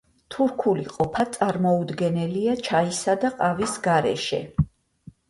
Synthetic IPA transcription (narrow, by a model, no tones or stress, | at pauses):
t̪ʰuɾkʰuliqʼɔpʰat̪sʼaɾmɔud̪ɡɛnɛliat͡ʃʰaisad̪aqʼavisɡaɾɛ̰ʃɛ̰